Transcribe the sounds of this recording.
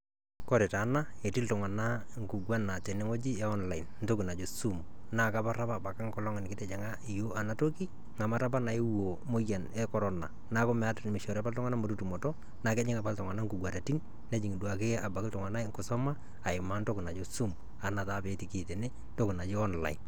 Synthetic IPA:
kɔ˦ɾɛ˨ta˨˦na˦e˨ti˦ltʊ˨ŋa˨na˦ŋ˨ku˨ɡwa˦na˨t͡ʃɛ˨ne˦ŋo˦d͡ʒi˦ja˦ɔ˦nla˨ɪ˨nn˦to˦ku˨na˨d͡ʒo˨su˦m | na˨ka˦pa˦ra˦pa˨ba˨ka˦ŋkɔ˦lɔ˦ŋɪ˨nkɪ˦tɛ˨d͡ʒɛ˨ŋa˦i˨jo˦a˨na˦to˦ki˦ | ŋa˨ma˦ta˦p̬a˦na˨e˦wo˨mo˦ja˨nɛ˦kɔ˨ɾɔ˦na̰˨ | na˨˦kɔ˦mɛ˨a˦tmɪ˨ʃɔ˨ɾa˦pa˦ltɔ˦ŋa˦na˦mo˨tu˦tu˨mɔ˨tɔ˦ | na˨kɛ˦ɲɪ˦ŋa˨pa˦ltɔ˨ŋa˨na˦ŋku˨ɡwa˨ɾa˨ti˦n | nɛ˦d͡ʒi˨ŋi˨dwa˨ke˦a˨ba˨kɪ˦ltʊ˨ŋa˨na˦ŋkʊ˨sɔ˦ma˦ | a˨ɪ˨ma˦nto˦ku˨na˨d͡ʒo˦su˦m | a˨na˨taː˦pe˨˦ti˨ki˦˨te˨ne˦ | nto˦ku˨na˨d͡ʒi˦ɔ˦nla̰˨ɪ˨n

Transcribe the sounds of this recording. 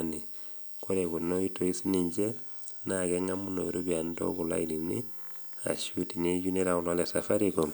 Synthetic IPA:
ni˨ | ko˦ɾeku˨no˦i˦to˨i˦siniɲd͡ʒe | nakɛŋamu˦no˨iɾo˦bia˨ndo̰˦kula̰˦ilinḭ˦ | a̰˨ʃu˦ti˨ne˦d͡ʒu˦ne˦ɾa˨kulwa˦lɛ˨safa˦ɾiko

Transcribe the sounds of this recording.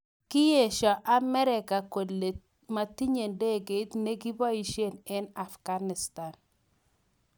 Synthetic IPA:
kɪ˦je˨ʃɔ˨ʔa˦mɛ˦ɾɪ˨ka˨ko˨dle˨ | ma˨ti˦ɲe˨nde˦˨ɡe˨˦t̪ne˦ɡi˦bɔ˦i˦ʃje˦˨nɛ˦na˨fɡ̥a˦nɪ˨sta˨n

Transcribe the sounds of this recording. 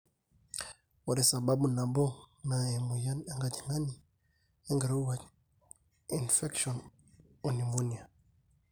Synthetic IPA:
waɾɛ˨sa˨ba˦bu˨na˨bɔ˦na˨ɛ˨mu˨ja˦na˨ŋɡati˨na˦ni˨ | ɛŋɡaɾu˦wa | infɛkʃɔn | ɔnimu˦nia˨

